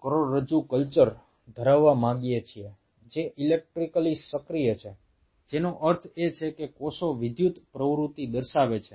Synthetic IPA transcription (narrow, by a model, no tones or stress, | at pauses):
kəɾoɽɾəd͡ʒukəlt͡ʃəɾ | d̪ʱəɾaʋːamãɡijet͡ʃʰie | d͡ʒeʔilek̚ʈɾikəlisəkɾijət͡ʃʰe | d͡ʒenoʔəɾt̪ʰet͡ʃʰekekosoʋɪd̪ʱjut̪pɾəʋɾut̪id̪əɾʃaʋet͡ʃʰe